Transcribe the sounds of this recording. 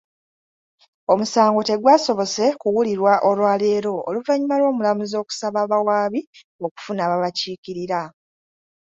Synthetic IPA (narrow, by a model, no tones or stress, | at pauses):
o̞musaːŋɡo̞te̞ɡwaːso̞βo̞se̞kuwuliɾwaʔolwaːleːɾo̞ːluvaɲimalwo̞ːmulamuzo̞ːku̥saβaβawaːβi | o̞ku̥funaːβaβaciːkiɾiɾa